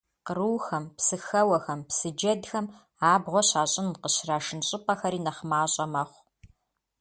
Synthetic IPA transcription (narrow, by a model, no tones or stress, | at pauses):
qəruːxɐmpsɨxɐwɐxɐmpsɨd͡ʒɐdxɐm | aːbʁʷɔɕaːɕʼɪnqəɕraːʂɨnɕʼɪpʼɐxɐɾiːnɐχmaːɕʼɐmɐχʷ